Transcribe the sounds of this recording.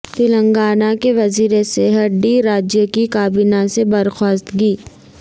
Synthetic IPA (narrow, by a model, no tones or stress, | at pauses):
t̪ɪlə̃ŋɡaːnakeʋɐziːɾeseɦəʈɖiɾaːd͡ʒjəkikaːbinasebɐɾxɔːst̪ɡiː